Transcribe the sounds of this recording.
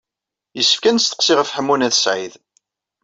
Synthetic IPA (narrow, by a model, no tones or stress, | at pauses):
jəsːə̥fkænst̪ə̥qsɪʁəfħəmːunæθsʕið